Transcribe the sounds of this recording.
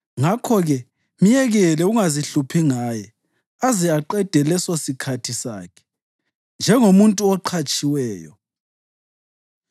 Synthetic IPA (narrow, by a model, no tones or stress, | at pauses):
ŋakʰɔɣɛ | mijɛɣɛlɛuŋaziɬupʰiŋaːjɛ | azɛaǃɛd̥ʱɛlɛsosikʰatʰisa̰ːkʰɛ̥ | nd͡ʒʱɛŋomuntʼuɔǃʰat͡ʃʼiwɛːjɔ̰